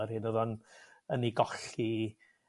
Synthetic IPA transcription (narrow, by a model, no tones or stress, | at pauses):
ɛrhɪnɔðanəniɡɔɬi